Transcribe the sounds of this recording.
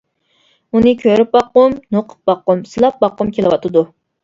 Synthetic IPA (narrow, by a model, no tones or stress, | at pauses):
unɨkʲʰøɾyp̚bɑqːʊmnoqʰə̥p̚bɑqːʊmsɨlˠɑp̚bɑqːʊmkʲʰelˠɨwɑt̪ʰɨd̪u